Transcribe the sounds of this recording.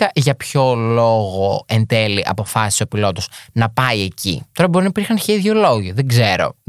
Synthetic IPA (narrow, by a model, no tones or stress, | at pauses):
ɐʝɐpço̞lo̞ɣo̞end̪e̞liʔɐ̰po̞fɐsiso̞pilo̞t̪oznɐpɐie̞cḭt̪o̞ɾɐbo̞ɾinɐipiɾxɐnçeiðʝolo̞ʝiðeɡze̞ɾo̞̰